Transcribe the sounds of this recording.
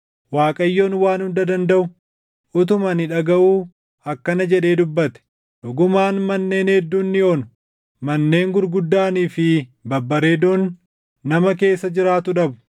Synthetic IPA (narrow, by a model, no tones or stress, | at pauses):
waːkʼɐjːo̞ːnwaːnhʊnd̪ɐd̪ɐnd̪ɐʔʊ | ʔʊt̪̬ʊmɐnɪᶑɐɡɐʔuː | ɐkːɐnɐd͡ʒɛᶑe̞ːd̪ʊbːɐt̪ɛ̥ | ᶑʊɡʊmaːnmɐnːe̞ːnhɛd̪ːuːnːɪoːnʊ̥ | mɐnːe̞ːŋɡʊɾɡʊd̪ːaːniːfɪbɐbːɐɾe̞ːd̪oːnː | ɐmɐke̞ːsːɐd͡ʒɪɾaːt̪ʊᶑɐbʊ̥